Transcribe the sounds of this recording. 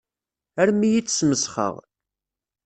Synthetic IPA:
æɾmijit͡sːsməsχə̰ʁ

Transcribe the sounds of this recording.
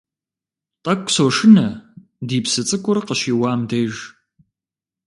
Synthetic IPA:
tʼɐkʷʼsoːʂɪnɐ | diːpsɨt͡sʼɨkʷʼʊrqəʃiːwaːmdejʒ

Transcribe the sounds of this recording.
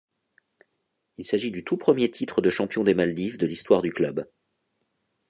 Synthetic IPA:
ilsaʒid̪yt̪upχəmjet̪ʰit̪χəd̪əʃɑ̃pjɔ̃d̪emald̪ifd̪əlist̪waʁd̪yklœb

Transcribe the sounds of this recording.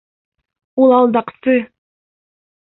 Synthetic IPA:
ulˠɑlˠd̪ɑqsɨ

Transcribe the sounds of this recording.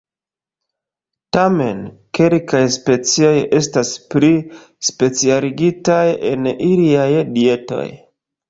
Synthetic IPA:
tame̞nke̞lkajspe̞t͡sio̞je̞staspɾi | spe̞t͡sialiɡitaje̞niliajdie̞to̞̰j

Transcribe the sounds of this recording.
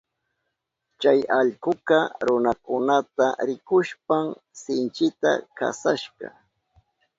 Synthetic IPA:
t͡ʃajaʎkʊkɑɾʊnakʊnat̪aɾɪkʊʃpaŋsɪnt͡ʃɪt̪a̰ka̰saʃɢɑ̰

